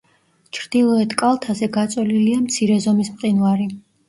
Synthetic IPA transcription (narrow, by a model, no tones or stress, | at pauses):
t͡ʃʰɾd̪̥ilˠɔɛt̪ʰkʼalˠt̪ʰasɛɡat̪sʼɛliliamt̪sʰiɾɛzɔmismqʼinvaɾi